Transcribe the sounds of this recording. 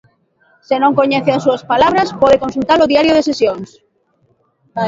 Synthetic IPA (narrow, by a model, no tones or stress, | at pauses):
senõŋkoɲɛθeasuaspalaβ̞ɾaspɔðekonsult̪aɾoðiaɾjoð̞esesjoŋs